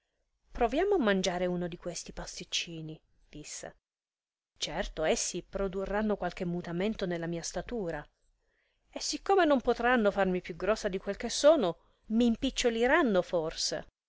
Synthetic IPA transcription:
pɾovjaːmoamːand͡ʒaːɾeunod̪ikwest̪ipast̪it͡ʃːiːni | d̪̥isːḛ | t͡ʃɛrt̪oesːipɾod̪urːanːokwalk̟emːut̪ament̪onelːamiːast̪at̪uːɾa | esːikːomenompot̪ɾanːofarmipjuɡɾɔsːad̪ikwelk̟esːoːno | miːmpit͡ʃːoliɾanːoforsḛ

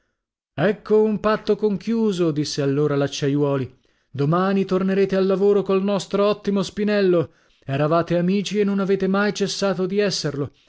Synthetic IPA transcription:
ɛkʰːoumpat̪ːokoŋkjuːzod̪isːealːoːɾalat͡ʃːajwɔːli | d̪omaːnit̪orneɾeːt̪ealːavoːɾokolnɔst̪ɾoɔt̪ːimospinɛlːo | ɛɾavaːt̪eamiːt͡ʃienːonaveːt̪emajt͡ʃesːaːt̪od̪iɛsːerlo

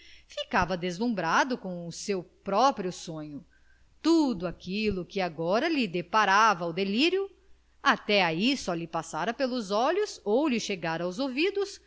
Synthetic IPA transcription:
fikavɐd̪ezlũmbɾad̪ʊkõw̃ʊsewpɾɔpɾiʊsõɲʊ | t̪ud̪ʊakilʊkɪaɡɔɾɐlɪd̪epaɾavɐʊd̪eliɾjʊ | at̪ɛaisɔlɪpasaɾɐpelʊzɔʎʊsowlɪʃeɡaɾɐawzovid̪ʊs

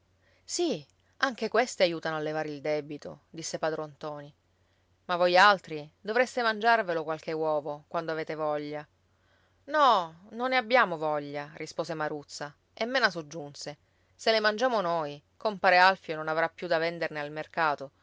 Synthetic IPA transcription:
si | aŋk̟ekwest̪eajuːt̪anoalːevaːɾeild̪ɛbit̪od̪isːepaːd̪ɾoant̪ɔːni | mavːojalt̪ɾid̪ovɾest̪emand͡ʒarvelokwalk̟ewɔːvokwand̪oaveːt̪evɔʎːa | nɔ | nonːeabːjaːmovɔʎːarispoːsemaɾut̪sːa | emːeːnas̬od͡ʒːunse | selemand͡ʒaːmonoj | kompaːɾealfjononavɾapːjud̪avend̪ernealmerkaːt̪o

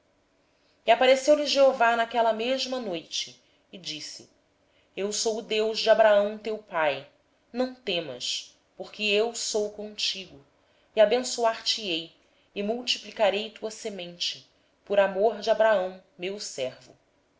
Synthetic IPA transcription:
iapaɾesewliʒeovanakɛlɐmeʒmɐnojt͡ʃɪ̥ː | d͡ʒisḭ | ewsowʊd̪ewʒd͡ʒɪabɾaɐ̃w̃t̪ewpaj | nɐ̃w̃t̪ẽmɐ̰ʃ | poɾkɪewsowkõt͡ʃiɡʊ | iabẽsuaɾt͡ʃiej | ɪmuwt͡ʃiplikaɾejt̪uɐsemẽnt͡ʃɪ̥ | poɾamoɾd͡ʒɪabɾaɐ̃w̃ | mewsɛɾvʊ̰

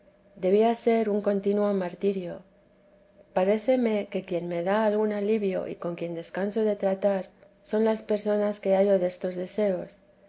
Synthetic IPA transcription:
d̪e̞βiase̞ɾuŋko̞nt̪inwo̞maɾt̪iɾjo̞ | paɾe̞θe̞me̞ke̞kje̞nme̞ðaːlɣunaliβjo̞̰ʔḭko̞ŋkje̞nd̪e̞skanso̞ðe̞t̪ɾat̪aɾ | so̞nlaspe̞ɾso̞naske̞aʝo̞ðe̞st̪o̞zðe̞se̞o̞s

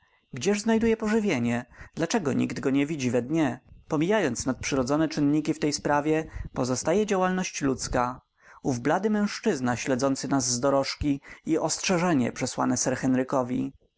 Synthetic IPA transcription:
ɡd͡ʑɛʐznajd̪ujɛpɔʐɘvʲjeɲɛd̪̥lat͡ʂɛɡɔɲḭɡd̪ɡɔɲɛvʲid͡ʑivɛd̪ɲɛpɔmʲijajɔnt̪snat̪̚pʂɘɾɔd̪zɔnɛt͡ʂɘnːɲikʲift̪ɛjspɾavʲjɛpɔzɔst̪ajɛd͡ʑawalnɔɕt͡ɕlut̪ska | uvblad̪ɘmɛ̃w̃ʂt͡ʂɘznaɕlɛd̪zɔnt̪sɘnazːd̪ɔɾɔʂkʲiiʔɔstʂɛʐɛɲɛ̰pʂɛswa̰nɛsɛɾxɛnɾɘkɔvʲḭ

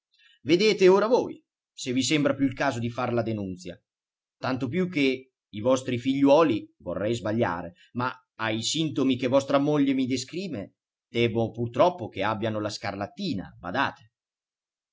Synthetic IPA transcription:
ved̪eːt̪eoːɾavoj | sevisɛmbɾapjuilkaːzod̪ifarlad̪enunt̪sja | t̪ant̪op̬jukːe | ivɔst̪ɾifiʎːwɔːlivo̰rːɛjzbaʎːa̰ːɾe | ma | aisint̪omikevɔst̪ɾamoʎːemid̪eskɾiːve | d̪̥ɛːvopurt̪ɾɔpːokeabːjanolaskarlat̪ːiːna̰ba̰d̪a̰ːt̪e̥

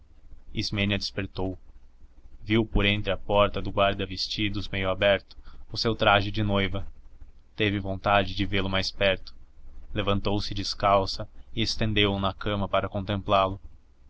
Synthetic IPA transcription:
izmẽnɐd͡ʒ̪ɪspeɾt̪ow | viwpoɾẽnt̪ɾɪɐpɔɾt̪ɐd̪ʊɡwaɾd̪ɐvest͡ʃid̪ʊzmejʊabɛɾt̪ʊ̥ʊsewt̪ɾaʒɪd͡ʒɪnojvɐt̪evɪvõnt̪ad͡ʒɪd͡ʒɪvelʊmajspɛɾt̪ʊ̥levɐ̃nt̪owsɪd͡ʒiskawsɐɪest̪ẽnd̪ewʊnɐkɐ̃mɐpaɾɐkõnt̪ẽmplalʊ

